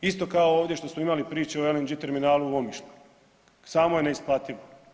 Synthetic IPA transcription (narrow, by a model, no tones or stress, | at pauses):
ist̪o̞kaooːʋd̪je̞ʃt̪o̞smoimalipɾiːt͡ʃeoelend͡ʒit̪e̞ɾminaːluuomiʃlʲu̥ | saːmojeneisplˠat̪iʋo